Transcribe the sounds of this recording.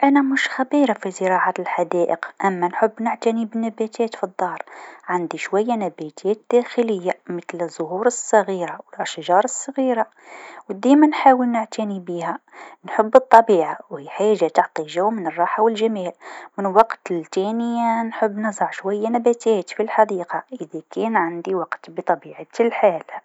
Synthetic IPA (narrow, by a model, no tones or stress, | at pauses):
ʔænæmʊʃxæbiːɾˤafizəɾˤɑʕalħad̪æːʔəqʔæmːænħʊbːnəʕt̪inibənːæbæt̪ʰɛːt̪fid̪ˤːɑːɾˤʕand̪iʃwæjːanæbæt̪ʰɛːt̪̚d̪̥æːxɪləjːamət̪ləzˤːʊɦuːɾˤəsˤːɑɣiːɾawɪlʔæʃʒɑːɾˤəsˤːɑɣiːɾa | wd̪imænħaːwəlnʊʕt̪inibihænħʊbːɨt̪ˤːɑbiːʕawhiħaːʒat̪ʊʕt̪ˤiʒawːmɪnərˤːɑːħawɪlʒamɛːlmɪnwɑqt̪lt̪ɛːnɪjnħəbːnɨzˤɑʕʃwajːanæbæt̪ʰɛːt̪filħad̪iːqɑʔəðækɛːnʕand̪iwɑqt̪bət̪ˤɑbiːʕat̪lħaːl